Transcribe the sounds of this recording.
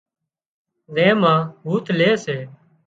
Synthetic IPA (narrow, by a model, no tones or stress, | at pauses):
zẽːmãːbuːt̪leːseː